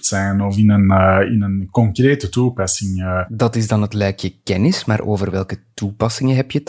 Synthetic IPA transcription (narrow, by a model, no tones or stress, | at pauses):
tsɛnɔfɪnənɪnənkɔŋkreːtətuːpɑsɪŋədɑtɪzdɑnətlœːkjəkɛnɪsmaːrʔoːvərʋɛlˠkətupɑsɪŋəɦɛpjət